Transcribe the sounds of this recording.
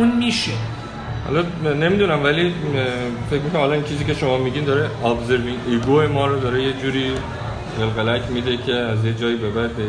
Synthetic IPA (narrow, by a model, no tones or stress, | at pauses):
unmiʃe | hɒ̰lɒne̞mid̪unæmvæli | fe̞cmikʰoɾæmhɒlɒint͡ʃʰiːziːcʲʰe̞ʃo̞mɒːmiɟind̪ɒːɾeɒbzeɾminʔiɡojemɒːɾod̪ɒɾejed͡ʒuːɾiː | delɣelæcʰmid̪ekʰe̞æzjed͡ʒɒːiːbebæd̪e